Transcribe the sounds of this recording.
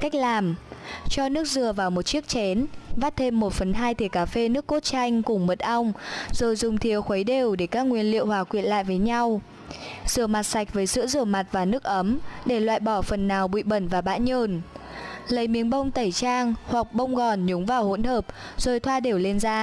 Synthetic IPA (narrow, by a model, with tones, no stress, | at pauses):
ka˦˥jk̚laː˨˩mt͡ɕɔ˧nɨ˦˥ək̚zɨ˨˩əvaː˨˩wmo˨˩t̚t͡ɕi˦˥ək̚t͡ɕɛ˨˦nvaː˦˥t̚t̪ʰe˧mːo˨˩t̚fə˨˩nɦaː˧jt̪ʰe˨˩kaː˨˦fe˧nɨ˦˥kːo˦˥t̚t͡ɕa˧jŋ̟kʊ˨˩ŋ͡mmə˨˩t̚ʔa˧wŋ͡mzo˨˩jzʊ˨˩ŋ͡mt̪ʰi˨˩əwxwə˨˦jɗe˨˩wɗe˧˩kaː˦˥k̚ŋwi˧˩ənlḭ˧˨əwhwaː˨˩kwḭ˧˨ənla̰ː˧˨jvəː˨˦jɲa˧w | z̥ɨ˧˩əma˨˩t̚sa˨˩jk̟̚vəː˨˦jsɨ̰˧˥əzɨ˧˩əma˨˩t̚vaː˨˩nɨ˦˥ək̚ʔə˨˦mɗe˧˩lwa̰ː˧˨jɓɔ˧˩fə˨˩nːaː˨˩wɓḭ˧˨ɓə˧˩nvaː˨˩ɓa̰ː˧˥nɲəː˧˩n | lə˨˦jmi˨˦ənɓə˧wŋ͡mt̪ə˧˩jt͡ɕaː˧ŋhwa˨˩k̚ɓə˧wŋ͡mɣɔ˨˩nɲʊ˨˦ŋ͡mvaː˨˩who̰˧˥nhəː˨˩p̚z̥o˨˩jt̪ʰwaː˧ɗe˨˩wle˧nzaː˧